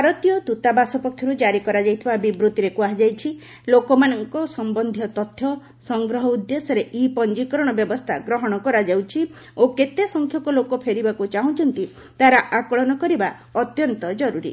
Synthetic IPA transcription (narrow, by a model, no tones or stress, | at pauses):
bʱbaɾɔt̪ijɔt̪ut̪abasɔpɔkʰjɔɾud͡ʒaɾikɔɾad͡ʒajt̪ʰibabibɾut̪iɾekuaɦid͡ʒajt͡ʃʰi | lokɔmanɔŋkɔsɔmbɔnd̪ʱjɔt̪ɔt̪ʰːjɔ | sɔŋɡɾɔɦɔud̪jesɔɾeʔipɔnd͡ʒikɔɾɔɽ̃ɔbjɔbɔst̪ʰaɡɾɔɦɔɽ̃ɔkɔɾad͡ʒawt͡ʃʰi | oket̪esɔŋkʰjɔkɔlokɔpʰeɾibakut͡ʃaɦũt͡ʃʰɔnt̪i | t̪aɾaʔakɔɭɔnɔkɔɾiba | ɔt̪jɔnt̪ɔd͡ʒɔɾuɾḭ